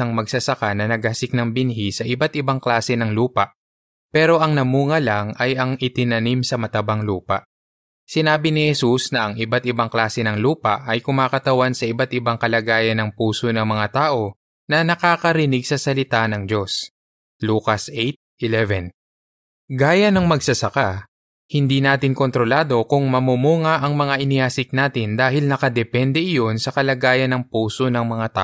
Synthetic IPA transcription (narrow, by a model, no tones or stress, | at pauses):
ɐŋmɐɡsɐsɐkanɐnɐɡɐsɪk̚nɐŋbɪnɦisɐʔɪbat̪ʔɪbaŋklaːsɛnɐŋluːpɐʔ | pɛːɾo̞ʔɐŋnɐmuːŋɐlɐŋɐjɐŋʔɪt̪ɪnɐnimsɐmɐt̪ɐbaŋluːpɐ̰ʔ | sɪnaːbɪnɪhɛsusnɐʔɐŋʔɪbat̪̚ɪbaŋklaːsɛnɐŋluːpɐʔɐjkʊmaːkɐt̪ɐwansɐʔɪbat̪ʔɪbaŋkɐlɐɡaːjɐnɐŋpuːso̞nɐŋmɐŋat̪aːʔo̞ | nɐnɐkaːkɐɾɪnɪɡ̚sɐsɐlɪt̪anɐŋd͡ʒo̞s | luːkɐsʔejt̪̚ʔɪlɛvɛn | ɡaːjɐnɐŋmɐɡsɐsɐka | hɪnd̪iːnaːt̪ɪŋko̞nt̪ɾo̞laːd̪o̞kʊŋmɐmumuːŋɐʔɐŋmɐŋaʔɪnɪjaːsɪk̚naːt̪ɪnd̪aːhɪlnɐkɐd̪ɛpɛnd̪ɛʔɪjo̞nsɐkɐlɐɡaːjɐnːɐŋpuːso̞nɐŋmɐŋat̪a̰ːʔo